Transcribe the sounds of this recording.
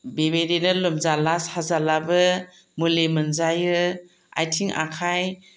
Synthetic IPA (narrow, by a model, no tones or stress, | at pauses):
bebedenɯlɯmzalashazalabɯ | mulemɯnzajɯ | a̰jtʰiŋʔa̰kʰaj